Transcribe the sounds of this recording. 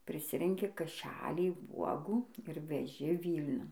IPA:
pʲrʲɪˈsʲɪrʲɛŋʲkʲɪ kɐˈʃʲælʲiː ˈʋuɔɡuː ɪr ʋʲɛˈʒʲɪ ˈʋʲiːlʲnʲʊn

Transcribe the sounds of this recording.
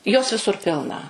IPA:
joːs ʋʲɪˈsʊr ˈpʲɪlˠnɐ

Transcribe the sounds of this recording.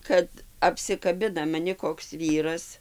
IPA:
ˈkɐt ɐpʲsʲɪkɐˈbʲɪnɐ mɐˈnʲɪ koːks ˈʋʲiːrɐs

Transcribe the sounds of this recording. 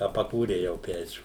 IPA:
ɐ pɐˈkuːrʲɛɪ jɛʊ ˈpʲæːt͡ʃʲuː

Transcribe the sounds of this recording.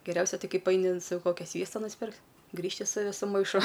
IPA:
ɡʲɛˈrʲɛʊsʲɛ ˈtɐɪ ˈkɐɪp ɐɪnʲɪ n ˈsɐʊ ˈkoːkʲɛ ˈsʲʋʲiɛstɐ nʊsʲˈpʲɪrktʲ ˈɡrʲiːʃʲtʲɪ sʊ ˈʋʲɪsʊ mɐɪˈʃʊ

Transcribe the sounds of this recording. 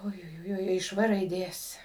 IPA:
ʊjʊˈjʊɪ ɪʃ ˈʋɘ rɐɪˈdʲeːs

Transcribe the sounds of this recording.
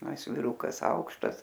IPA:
ɐ ˈɪs ʋʲɪˈrʊkɐs ˈɐʊkʃtɐs

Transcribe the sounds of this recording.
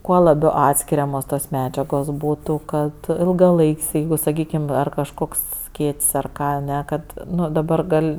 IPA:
ˈkuɔ lˠɐˈbʲɛʊ ˈɑːtʲsʲkʲɪrʲɛmoːs toːs ˈmʲæːd͡ʒʲɛɡoːs ˈbuːtʊ ˈkɐt ɪlˠɡɐˈlˠɐɪkʲsʲ ˈjɛɪɡʊ sɐˈkʲiːkʲɪm ˈɐr kɐʃˈkoːks ˈsʲkʲeːtʲsʲ ɐr ˈkɑː ɐˈnʲɛ ˈkɐt ˈnʊ dɐˈbɐr ˈɡɐlʲ

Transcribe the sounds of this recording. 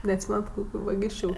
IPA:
nʲɛɐtʲˈsʲiːmʲɛnɐt ˈkoːkʲʊ ʋɐˈɡʲiːsʲt͡ʃʲʊ

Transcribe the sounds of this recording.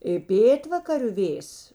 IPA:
ɪ ˈpʲeːtʋɐkɐrʲʊ ˈʋʲeːjs

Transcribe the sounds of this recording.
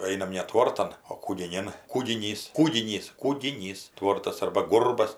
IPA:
ˈɐɪnɐm nʲɛ ˈtʋoːrtɐm oː kuːɡʲɪˈnʲɪn kuːɡʲɪˈnʲiːs ˈkuːɡʲɪnʲiːs kuːɡʲɪˈnʲiːs ˈtʋoːrtɐs ˈɐrbɐ ˈɡʊrbɐs

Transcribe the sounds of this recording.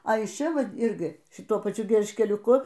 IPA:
ɐ ɪʃ ˈt͡ʃʲɛ ˈʋɐt ˈɪrʲɡʲɪ ʃʲɪˈtuɔ pɐˈt͡ʃʲʊ ɡʲɛlʲʃʲkʲɛlʲʊˈkʊ

